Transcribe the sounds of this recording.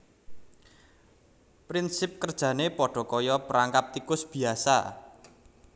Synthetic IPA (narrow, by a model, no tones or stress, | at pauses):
pɾinsɪp̚kərd̥ʒ̥ä̤nepɔɖ̥ɔ̤kɔjɔpəɾaŋkap̚t̪ikʊsb̥i̤asa̰